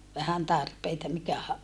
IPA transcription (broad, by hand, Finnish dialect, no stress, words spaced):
ʋæhæn tɑrpeitɑ mikæhæ